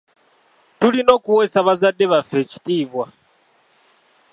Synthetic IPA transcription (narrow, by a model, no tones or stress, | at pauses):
tulinɔkʼuwɛsaβazadɛβafɛt͡ʃi̥tʼiːvwa